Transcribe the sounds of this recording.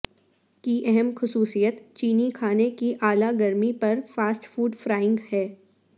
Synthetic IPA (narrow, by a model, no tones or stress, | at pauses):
kiʔɛɦɛmxʊsuːsijət̪t͡ʃiːnikʰaːnekiʔaːlaɡɐɾmipɐɾfaːsʈfuːɖfɾaːɪ̃ŋɡhɛː